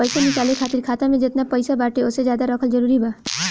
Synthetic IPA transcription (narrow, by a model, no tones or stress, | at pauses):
əjsanit͡ʃalikʰat̪iɾkʰat̪amẽd͡ʒet̪napəjsabaʈeosed͡ʒjad̪aɾʌkʰəld͡ʒəɾuɾiba